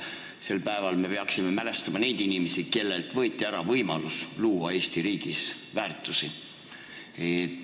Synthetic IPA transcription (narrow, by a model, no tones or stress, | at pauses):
se̞lpæe̞vɑlme̞peɑksime̞mæle̞st̪ɑmɑne̞jd̪̥inimesike̞lːe̞lt̪ˑvɤ̞jt̪ʲːˑiæɾɑvɤjmɑlusluːwɑe̞ːsʲt̪iɾiːɡ̥is | væːrt̪ːˑusi | e